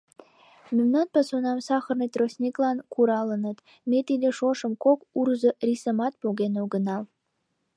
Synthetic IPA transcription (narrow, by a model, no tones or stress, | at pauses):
memnɑnpɑsonɑmsɑxə̆rnɤt̪rosʲnʲiklɑnkʰuɾɑlənɤt̪ | met̪id̪eʃoʃə̆mkokurzə̆rʲisə̆mɑt̪̚poɣʲenoɡə̆nɑl